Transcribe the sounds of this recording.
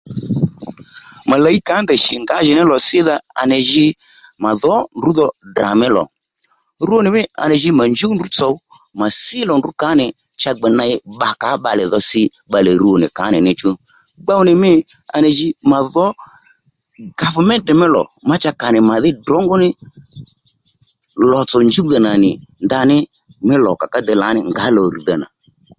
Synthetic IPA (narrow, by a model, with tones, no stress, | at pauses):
ma˨la˨i˦ka˨˦ndɛ˨ʃɪ˨ŋɡa˨˦ʒɪ˨nɪ˦lɔ˨sɪ˦ða˧a̰˧nɛ˨ʒɪ˦ | ma˨ðɔ˨˦ndu˨˦ðɔ˧da̰˨mɛ˦lɔ̰˨ | ɾu˦o˦nɪ˨mɪ˦a̰˨nɛ˨ʒɪ˧ma˨ɲd͡ʒi˦ndu˨˦t͡sɔ˨˦ | ma˨sɪ˦lɔ˨ndu˨˦ka˨˦nɪ˨ | t͡ʃa˧ɡ͡bɛ˨na˧ɪ˦ɓa˨ka˨˦ɓa˧lɛ̰˨ðɔ˧sɪ˦ | ɓa˨lɛ˨ɾu˦o˨nɪ̰˨ka˨˦nɪ˨nɪ˨t͡ʃu˦ | ɡ͡ba˦wʊ˦nɪ˨mɪ˦ | a̰˧nɛ˨ʒɪ˧ma˨ðɔ˦ | ɡa˨fʊ˨mɛ˦tɛ˨mɪ˦lɔ̰˨ma˦t͡ʃa˦ka˨nɪ˨ma˨ðɪ˦dɔ˨˦ŋɡɔ˦nɪ˦ | lɔ˨t͡sɔ˨nd͡ʒu˦u˦ða˨na˨nɪ˨nda˧nɪ˦ | mɪ˦lɔ˨ka˨ka˦dɛ˨˦la˨˦nɪ˨ŋɡa˨˦lɔ˨ɾi˨ða˨na̰˨